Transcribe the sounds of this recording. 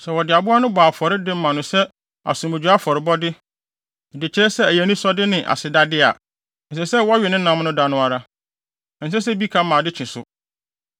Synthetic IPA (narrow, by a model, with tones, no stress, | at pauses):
sɛ˨wɔ˨dɪ˨a˨bʊ˦a˦nʊ̃˦baː˨fɔ˨ɾɪ˦dɪ˦m̩˦mã˨nʊ̃˨sɛ˦ | a̰˨sũ˨mɪ̃˨d͡ʑᶣu˨˦a˦fɔ˨ɾɪ˨bɔ˦dɪ˦˨ | dɪ˨t͡ɕʰɪ˨ɾɛ˦sɛ˦æ˨jæ˨nĩ˦sɔ˦dɪ˦nɪ̃˨ʔa̰˨sɪ˨da˦dɪ˦a˨ | n̩˨s̬ɛ˦sɛ˦wɔ˦ɥɛ˨nɪ̃˦nã˨˦m˦nʊ̃˦da˨nʊ̃˦a˨ɾa˦ | n̩˨s̬ɛ˦s̬ɛ˦bi˦kʰa˦mã˨dɪ˦t͡ɕʰɪ̃˨sʊ̰˨